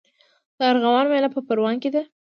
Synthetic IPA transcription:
d̪̥əaɾɣawɑnmalapəpəɾwɑnked̪a

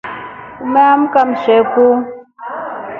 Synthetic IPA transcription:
umɛam̩kamsɛku

